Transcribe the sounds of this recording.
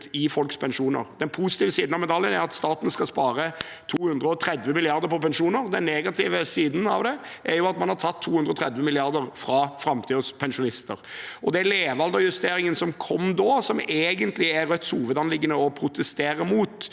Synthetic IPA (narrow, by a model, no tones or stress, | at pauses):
ɪfɔlkspʰɛnʂuːnə̰ɾd̪̥ɛnpʰusɪ̥t̪iːʋəsiːd̪n̩ɑʋmɛd̪ɑljənæɾɑt̪st̪ɑːt̪n̩skɑspɑːɾə | t̪ʰuːhʉnd̪ɾəɔt̪ʰɾɛd̪ʋəmɪlɪɑɾd̪əɾpʰɔpɛnʃuːnəɾd̪ɛnːeːɡɑt̪ʰɪʋəsiːd̪n̩ɑʋd̪ɛʔæɾjʊɑt̪mɑnhɑɾt̪ʰɑt̪ʰːuːhʉnd̪ɾəɔt̪ʰɾɛd̪ʋəmɪlɪɑɾd̪əɾfɾɑfɾɑmt̪ʰiːd̪əspʰɛnʃʊnɪst̪ə̰ɾʔɔd̪ɛleːʋɑld̪əɾjʉst̪eːɾɪŋənsɔmkʰɔmd̪oːsɔmeːɡənt̪lɪæɾœt̪ːshuːʋəd̪ɑnlɪɡːənəɔpʰɾʊt̪ʰɛst̪eːɾəmuːt̪